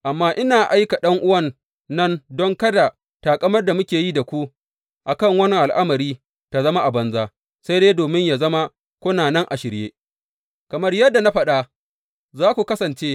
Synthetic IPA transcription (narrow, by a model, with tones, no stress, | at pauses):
ʔa˨mːaː˦ʔɪ˦naː˨ʔa˦jka˨ɗɐ˦ŋʔʊ˦wɐ˦˨nː | ɐ˦ndɔ˦ŋkɐ˦da˨ | taː˨kʼɐ˦mɐ˦rda˨mʊ˦kʲeː˨ji˦da˨kʷu˦ | ʔa˨kɐ˦˨ŋwɐ˦nɪ˦ʔa˨lʔa˦mɐ˨ɾiː˦ | ta˨zɐ˦ma˦ʔa˨bɐ˦nzaː˦ | sa˦jdeː˦doː˨mɪ˦ɲjaː˨zɐ˦ma˦ | kʷʊ˦naː˨nɛ˦ŋʔa˨ʃɪ˨ɾjeː˦ | kɐ˨mɐ˦rjɐ˦dːa˨na˦ɸɐ˦ɗa˦ | zaː˦kʷu˨kɐ˦sɐ˨nt͡ʃeː˦